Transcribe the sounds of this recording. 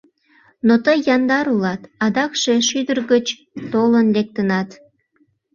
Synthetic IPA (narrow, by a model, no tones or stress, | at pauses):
not̪əjːɑnd̪ɑɾulɑt̪ɑd̪ɑkʃe̽ʃyd̪ərɣət͡ɕ | t̪olənlek̚t̪ənɑt̪